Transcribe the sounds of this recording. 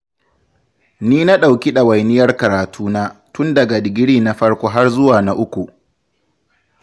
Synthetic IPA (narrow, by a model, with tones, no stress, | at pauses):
niː˦na˦ɗa˨wkʲi˦ɗa˨wa˨jnɪ˦jɐ˦rkɐ˨ɾaː˨tʰuː˦naː˦tʊ˦ndɐ˨ɡa˨dɪ˨ɡʲɪ˦ɽiː˦na˦ɸɐ˦ɽkʷoː˦ɦa˦rzʊ˦waː˨na˦ʔʊ˦kʷu˨ʔ